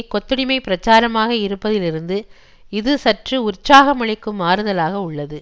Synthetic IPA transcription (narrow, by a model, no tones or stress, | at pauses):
kɔt̪ːɯɽɪmɐɪpɪɾɐt͡ʃaːɾɐmaːɣɐɪɾɯpːɐðɪlɪɾɯnd̪ɯ | ɪðɯsɐʈrɯʊrt͡ʃaːɣɐmɐɭɐɪkːɯmaːɾɯðɐlaːɣɐʊɭːɐðɯ